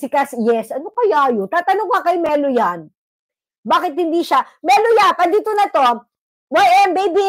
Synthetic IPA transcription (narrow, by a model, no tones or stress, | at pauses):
sɪkɐsjɛsʔɐnokɐjaːjot̪aːt̪ɐnoŋkɐkɐjmɛːlojan | baːkɪt̪̚hɪnd̪iːʃa | mɛlojanpɐd̪iːt̪onɐt̪o̞ | wajʔɛmbejbi